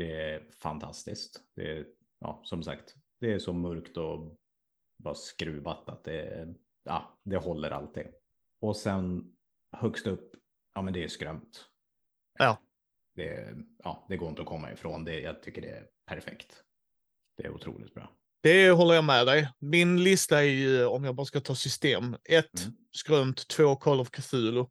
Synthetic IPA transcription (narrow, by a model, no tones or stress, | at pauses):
d̪ɛfa̰nt̪ʰa̰st̪ɪskt̪d̪̥ɛ̰ | ʔɑ̰ːsɔmsa̰kt̪d̪̥ɛːʂɔmɵɾkt̪ɔ | bɑːɾaskɾʉːvat̪at̪̚d̪ɛ̰ | ɑ̰ːd̪ɛhɔlːəɾʔa̰lt̪ʰɪ̰ŋ | ɔsɛn | hœkst̪ɵpː | ʔɑːmɛnd̪ɛæskɾœmt̪ | ʔɑː | d̪̥ɛ̰ɑ̰ːd̪̥ɛɡoːɾɪnt̪əɔkʰɔmːa̰ɪ̰fɾoːnd̪ɛjɑ̰ːɡ̚t̪ʰʏkːəɖɛæ̰ | pʰæɾfɛ̰kt̪ | d̪̥ɛæ̰ɾʊ̰t̪ʰɾṵːlɪ̰t̪̚bɾɑ̰ː | d̪̥ɛɦɔlːəɾjɑmɛd̪ɛjmɪnlɪst̪aæɾjɵɔmjɑːɡbɑːɾaskat̪ʰɑːsʏst̪eːmɛt̪ː | skɾœmt̪ʰːvoːkʰɔlɔvkʰafʉːlʊ